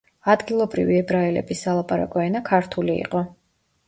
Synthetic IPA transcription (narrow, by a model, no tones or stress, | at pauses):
ad̪ɡilˠɔbɾḭviɛbɾaɛlɛ̰bisalˠapʼaɾa̰kʼɔɛnakʰaɾt̪ʰuliḭqʼɔ